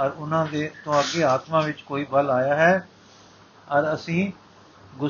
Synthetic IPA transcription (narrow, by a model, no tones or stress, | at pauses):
əɾʊnãːd̪eːt̪õəɡeːaːt̪mãːʋɪt͡ʃkoːiːbəlaːjaːɦɛː | əɾəsĩː | ɡʊ